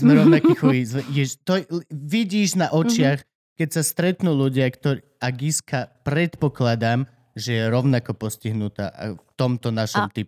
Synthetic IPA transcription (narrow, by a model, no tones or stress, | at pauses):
zmɛɾɔʊnakixɔʋizʋɛjɛt̪ɔʋiɟiːʒnaʔɔt͡ʃɪax | kɛcsast̪ɾɛt̪nuːluɟɪakt̪ɔɾi | aɡiskapɾɛt̪pɔklad̪am | ʒɛjɛɾɔʊnakɔpɔsciɦnut̪a̰ːʔft̪ɔmt̪ɔnaʃɔmt̪ip